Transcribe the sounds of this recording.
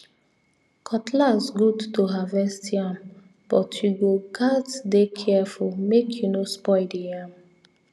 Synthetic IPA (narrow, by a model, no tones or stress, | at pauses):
kʰɔtʰlazɡudtoɦavɛstʰiãm | b̥ɔtʰjuɡokʰatdekʰɛfulmekʰjunospɔɪdijãm